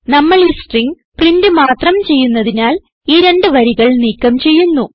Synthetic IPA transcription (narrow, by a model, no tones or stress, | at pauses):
nɐmːɐɭiːsʈriŋ | prindɨmaːt̪rɐmt͡ɕe̞jːunːɐðinaːl | iːɾe̞ɳɖɨʋɐɾiɣɐɭniːkːɐmt͡ɕe̞jːunːu